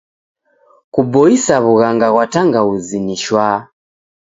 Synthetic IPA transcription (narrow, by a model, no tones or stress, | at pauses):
kubɔisaβuɣaŋɡaɣwataŋɡauziniʃwa